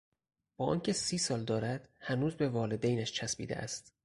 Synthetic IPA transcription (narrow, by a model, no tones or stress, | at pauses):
b̥ɒːɒːncʰe̞siːsɒːld̪ɒːɾæd̪̥hænuːzbe̞vɒːle̞d̪ejnæʃt͡ʃʰæsbḭːd̪eʔæ̰st̪